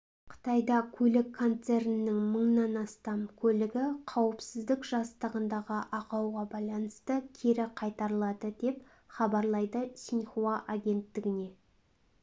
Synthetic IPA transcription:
qʰə̥t̪ɑjd̪ɑkʲʰɵlɪkʰːo̞nt̪se̞ɾnɪnːɪŋməɴnɑnɑst̪ɑmkʲʰɵlɪɡʲɪqʰɑwəpsɪzd̪ɪkʒ̥ɑst̪əʁənd̪ɑʁəʔɑqɑwʁɑbɑjlˠɑnəst̪əkʲʰe̞ɾɪqʰɑjt̪ɑɾəlˠɑd̪əd̪e̞p | χɑbɑɾlˠɑjd̪əsʲinχuɑʔaɡʲe̞nt̪ːɪɡʲɪne̞

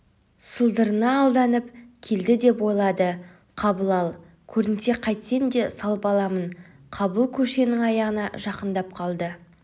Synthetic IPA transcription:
səlˠd̪əɾənɑːlˠd̪ɑnəpkʲʰe̞ld̪ɪd̪e̞pwo̞jlˠɑd̪ə | qʰɑbəlˠɑlˠ | kʲʰɵɾɪnse̞qʰɑjt̪se̞nd̪e̞sɑlˠəpɑlˠɑmən | qʰɑbəlˠkʲʰɵʃe̞nɪŋɑjɑʁənɑʒɑqənd̪ɑp̚qʰɑlˠd̪ə

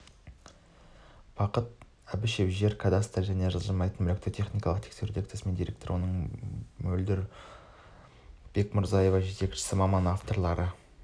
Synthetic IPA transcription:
b̥ɑqət̪̚ | æbɪʃe̞pʒe̞ɾkʰad̪ast̪lʒæne̞ʒəlˠʒəmɑjt̪ənmʏlʲe̞k̚t̪ot̪ʰe̞χnijkɑlˠəqt̪ʰe̥kse̞ɾud̪ekt̪esɪme̞nd̪ijɾe̞kt̪o̞ɾwo̞nəɴmɵld̪ɪɾ | b̥e̞kmɪɾzɑje̞vɑʒe̞t̪e̞kʃɪ̥sɪmɑmɑnaft̪o̞ɾlˠɑɾə

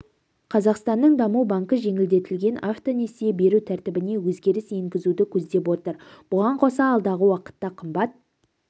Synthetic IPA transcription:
qʰɑzɑqst̪ɑnːəɴd̪ɑmuwbaŋkəʒe̞ŋɪld̪e̞t̪ɪlɡʲe̞nʔaft̪o̞ne̞sejebe̞ɾut̪ʰæɾt̪ɪbɪne̞wɵzɡʲe̞ɾɪsje̞ŋɡʲɪzud̪ɪkʲʰɵzd̪e̞p̬wo̞t̪əɾb̥ʊʁɑɴqʰo̞sɑɑːlˠd̪ɑʁəwɑqə̥t̪ːɑqʰəmbɑt̪̚

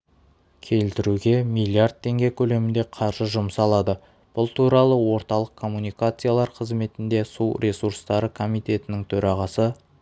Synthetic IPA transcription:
kʲʰe̞lt̪ɪɾuɡʲe̞mijlʲˠiard̪̚t̪ʰːe̞ŋɡʲe̞kʲʰɵle̞mɪnd̪e̞qʰɑɾʒəʒʊmsɑlˠɑd̪ə | b̥ʊlˠt̪ʰuɾɑlˠəwo̞ɾt̪ɑlˠəq̚kʰo̞mːunijkat̪sɨjalˠɑɾqʰəzme̞t̪ɪnd̪e̞suɾʲʔe̞suɾst̪ɑɾəkʰo̞mijt̪e̞t̪ɪnɪŋt̪ʰɵɾɑʁɑsə

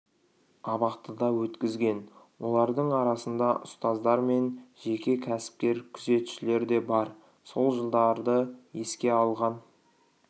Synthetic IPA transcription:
ɑβɑqt̪əd̪ɑwɵt̪kʲɪzɡʲe̞nwo̞lˠɑɾd̪əɴɑɾɑsənd̪ɑʔʊ̰st̪ɑzd̪ɑɾme̞nʒe̞kʲe̞kʲʰæsɪ̥p̚kʲe̞ɾkʲʰʏze̞t̪ʊ̥ʃɪle̞ɾd̪e̞bɑɾ | so̞lˠʒəlˠd̪ɑɾd̪əje̞skʲe̞ɑlˠʁɑn

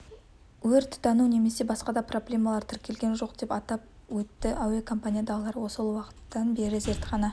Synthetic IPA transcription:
wɵɾt̪d̪ɑnune̞me̞se̞bɑsqɑd̪ɑpro̞blʲe̞mɑlˠɑɾt̪ʰɪɾkʲe̞lɡʲe̞nʒo̞qd̪̥e̞pɑt̪ɑp̚ | wɵt̪ːɪʔawekʰo̞mpanʲijad̪ɑlˠɑɾwo̞səlˠwɑqə̥t̪ːɑnbe̞ɾɪze̞ɾt̪qʰɑnɑ

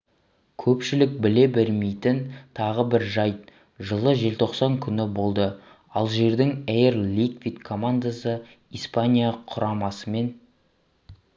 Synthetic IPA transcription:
kʲʰɵpʃɪlɪk̚bɪle̞bɪlmejt̪ɪnt̪ʰɑʁəbɪɾʒɑj̪ | ʒəlˠəʒe̞lt̪ʰo̞qsɑŋkʲʰʏnɪbo̞lˠd̪ə | ɑlˠʒe̞ɾd̪ɪŋejeɾlikvʲit̪kʰo̞mand̪asə | ispanʲijaqʰʊɾɑmɑsəme̞n

